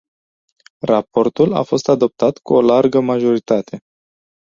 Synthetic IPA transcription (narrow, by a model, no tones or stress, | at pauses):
rapo̞rt̪ula̰fo̞st̪ad̪o̞p̚t̪at̪kuolarɡəmaʒo̞ɾit̪at̪ʰe̞